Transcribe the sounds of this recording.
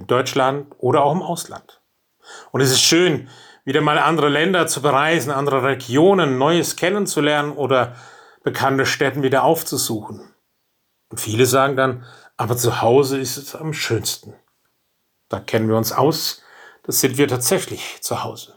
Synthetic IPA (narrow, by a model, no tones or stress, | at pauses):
ɪnd̥ɔʏt͡ʃlantʔoːɾɐaʊxɪmʔaʊsla̰nt | ʔʊntɛs̬ɪstʃøːn | viːdɐmaːlʔandəʁəlɛndɐt͡subəʁaɪzn̩ʔandəʁəʁeɡjoːnənːɔʏəskʰɛnənt͡sulɛɐnənʔoːdɐ | b̥əkʰantəʃtɛtn̩viːdɐʔaʊft͡suzuːxn̩ | ʊntfiːləzaːɡŋ̩danʔaːbɐt͡suhaʊzəɪstɛsamʃøːnstn̩ | d̥aːkʰɛnənviːɐʊnsʔa̰ʊs | d̥asz̥ɪntv̥iːɐtʰaːtz̥ɛçlɪçt͡suhaʊz̥ə